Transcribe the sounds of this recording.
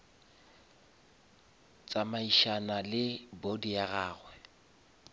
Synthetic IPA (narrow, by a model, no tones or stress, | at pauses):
t͡sʼamaiʃanalɪbodijaɣaːɣwɛ